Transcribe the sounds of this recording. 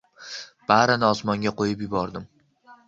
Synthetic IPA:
b̥aɾɪnɪɒsmɒŋɡʲaqʰojɪpjɪbɒɾd̪ɪm

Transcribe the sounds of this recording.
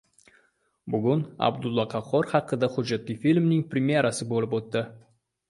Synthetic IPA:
bʊɡʲʊna̰bd̪ʊlˠːɑqʰɑχɒɾχɑqːɨd̪aχʊd͡ʒːat̪lijfilʲmnɪŋpɾʲemjeɾasɪbolɪpot̪ːɪ

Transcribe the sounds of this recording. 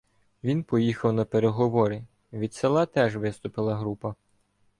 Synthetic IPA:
ʋʲinpɔjixɐwnɐpeɾeɦɔʋɔɾi | ʋʲid̪ʲselˠɑt̪ɛʒʋɪst̪ʊpɪlˠɐɦɾupɐ

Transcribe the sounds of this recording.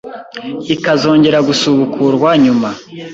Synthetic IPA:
ikazo̞ːɲɟe̞ɾaɡusuβukʰuɾɡwaɲuma

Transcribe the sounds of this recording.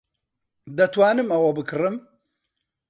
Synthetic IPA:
d̪ɐt̪waːnɨmɐwɐbɨkʰɨɾɨm

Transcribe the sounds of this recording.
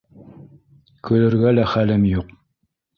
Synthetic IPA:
kʰɵ̆lɘ̆ɾɡælæχælɘmjuq

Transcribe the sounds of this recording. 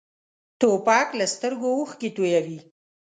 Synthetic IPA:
t̪opɑklast̪əɾɡouxket̪ojawi

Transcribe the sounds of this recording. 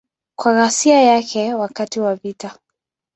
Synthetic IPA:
kwaɣasiajakʰɛwakatiwavita

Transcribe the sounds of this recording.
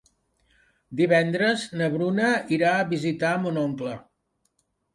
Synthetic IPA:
d̪iβ̞ɛnd̪ɾəznəβɾunəiɾaəβizit̪aəmunoŋklə

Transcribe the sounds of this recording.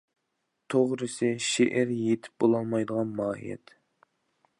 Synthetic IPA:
t̪ʰoʁɾɨsɨʃeʔɛɾjet̪ʰɪ̥p̚bolˠɑlˠmɑjd̪əʁɑnmɑːḭjɛ̰t̪

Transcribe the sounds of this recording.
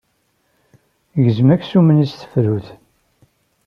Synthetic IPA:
ʝəzəmækːsumənisθə̥fɾuθ

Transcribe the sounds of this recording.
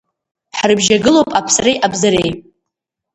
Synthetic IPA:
ħrɨbʒaɡɨlowpʼapʰsrejʔabzaɾej

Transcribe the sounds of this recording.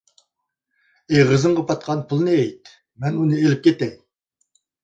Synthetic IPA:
ejʁəzɨɴʁɑpɑt̪̚qʰɑnpʰʊlˠnɨɛjt̪ | mɛnunɨelɪp̚kʲʰet̪ɛŋ

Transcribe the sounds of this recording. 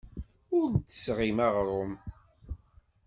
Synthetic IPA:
ʊɾt̪ːə̥sʁimaʁɾˤʊm

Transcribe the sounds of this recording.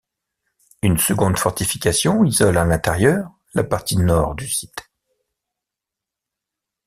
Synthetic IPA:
ynsəɡɔ̃d̪fɔʁt̪ifikʲasjɔ̃izɔlalɛ̃t̪ɛʁjœːʁ | lapaʁt̪inɔʁd̪ysyd̪̥

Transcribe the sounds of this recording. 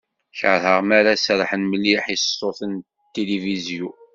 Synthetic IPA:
çʕɾhəʁmaɾasɾˤħənməlːiħissoθən | t̪ːelivizju

